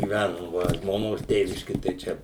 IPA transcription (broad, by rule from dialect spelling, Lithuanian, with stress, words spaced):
ɡʲiːˈʋʲænʊm ˈʋɐ ʒmoːˈnoːs ˈtʲeːʋʲɪʃʲkʲɪ tɐɪ ˈt͡ʃʲɛ